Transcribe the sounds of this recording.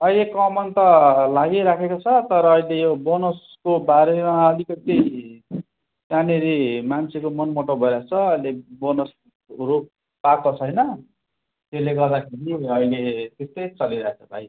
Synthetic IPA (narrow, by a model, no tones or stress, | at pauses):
ʌjlekʌmʌnt̪ʌlaɡiɾakʰekot͡sʰʌt̪ʌɾʌːjlejobonos | kobaɾemaʌlikʌt̪i | taneɾimant͡sʰekomʌnmoʈobʱʌɾjat͡sʰʌʌjlebonʌs | rop̚ | pakot͡sʰʌjnʌ | t̪eleɡʌrd̪akʰeɾiʌjlet̪est̪ʌjt͡sʌliɾʌɦet͡sʰʌbʱa̰j